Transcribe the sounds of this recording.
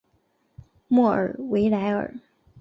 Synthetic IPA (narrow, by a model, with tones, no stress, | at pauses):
mwɔ˥˩ʔə̰˞˨˩we˧˥ɪla˧˥ɪə̰˞˨˩˦